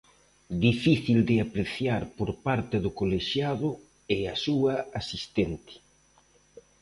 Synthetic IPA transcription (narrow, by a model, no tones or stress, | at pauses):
d̪ifiθild̪ɪapɾeθjaɾpoɾpaɾt̪ɪðʊkoleʃjaðʊ | easuɐasist̪ɛnt̪ɪ̥